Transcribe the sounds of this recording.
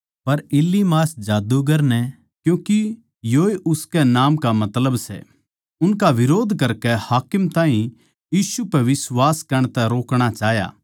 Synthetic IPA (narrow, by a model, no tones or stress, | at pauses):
pɐɾɪlːimaːsd͡ʒaːd̪uɡɐɾnɛ | kjũːki | joːeʔʊskɛnaːmkamɐt̪ləbsɛ̰ | ʊnkaʋɪɾoːd̪ʱkɐɾkɛhaːkɪmt̪ãːɦĩ | jiːsupɛʋɪswaːskɐɾəɽ̃ɳ̃t̪ɛɾoːkɽ̃at͡ʃaːɦja̰ː